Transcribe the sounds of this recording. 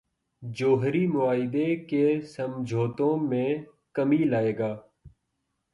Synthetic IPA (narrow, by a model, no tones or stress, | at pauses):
d͡ʒoːɦɾiːmʊaːɪd̪eːkeːsəmd͡ʒʱoːt̪õːmẽː | kəmiːlaːeːɡaː